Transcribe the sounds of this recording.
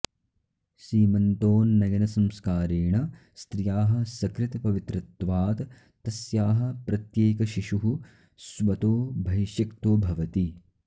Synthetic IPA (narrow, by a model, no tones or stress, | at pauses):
ʃiːmɐnt̪oːnːɐjɐnɐsɐmskaːɾeːɳɐ | st̪ɾijaːɦɐ̆sɐkɾɪt̪ɐpɐʋit̪ɾɐt̪ːʋaːt̪ | t̪ɐsjaːɦɐ̆pɾɐt̪jeːkɐʃiʂuɦu | sʋɐt̪oːbʱɐʋʃjɐkt̪oːbʱɐʋɐt̪i